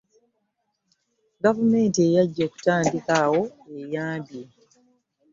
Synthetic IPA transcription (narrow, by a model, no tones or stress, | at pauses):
ɡavume̞ːntie̞jaɟːo̞ːku̥taːndikawo̞ejaːmbje